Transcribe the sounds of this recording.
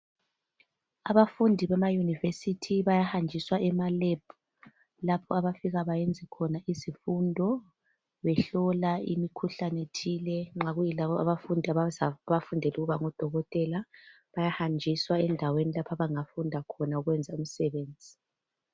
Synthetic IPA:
aβafundʱiβɛmajunivesitʰiβajahand͡ʒʱiswaʔɛmaleb̥̚u | lapʰɔaβafiɣaβajend͡zʱikʰɔnaizifundʱɔ | βɛɬɔlaḭmikʰuɬanetʰilɛŋ͡ǁaɣujilaβɔaβafundʱiaβafundʱɛluɣuβaŋɔd̥ʱɔɣɔtʼɛla | βajahand͡ʒʱiswaɛndʱawenilapʰaβaŋafundʱakʰɔnauɣwɛnd͡zʱaum̩sɛβeːnd͡zʱi

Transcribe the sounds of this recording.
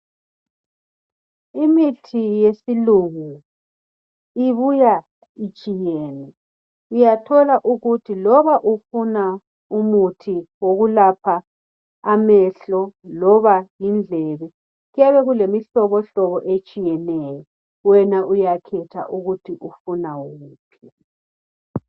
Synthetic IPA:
imitʰijesiluɣu | iβuja | it͡ʃʼijɛːnɛ | ujatʰɔlaʔuɣutʰilɔβaʔufuna | umutʰiwoɣulapʰaː | mɛɬɔlɔβajind͡ɮʱɛβɛ | ɣujaβɛɣulemiɬɔβɔɬɔβɔʔet͡ʃʼijɛnɛːjɔ | wɛnaʔujakʰɛtʰa̰ʔuɣutʰiʔufunawuɣuːpʰɛ

